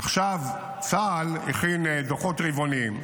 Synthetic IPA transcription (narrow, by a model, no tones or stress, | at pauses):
ʔaχʃav | t͡saliχindoχotʁivoniim